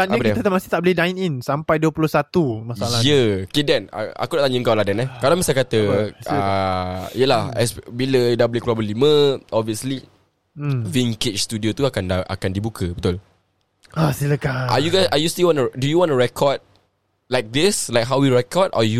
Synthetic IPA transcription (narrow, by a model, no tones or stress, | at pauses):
anakit̪ət̪amasiht̪aʔbəlidajninsampajduəpulʊhsat̪umasaalajəkidɛna̰a̰kudaʔt̪aɲuŋkawladanɛkalamisalkat̪ə | ḭjəlahɛ̰sbilədabəliklabəlimə̃ɔbviəsli | viŋkɪt͡ʃst̪udiot̪uakanaʔa̰kandibukʰəbət̪ʊl | asiləkaa̰juɡajsajust̪ilwɔ̃nudujuwɔ̃nəɹɛkʰɔd̚ | lajk̚d̪islaɪjk̚ɦawwiɹɛkɔdɔ̰ju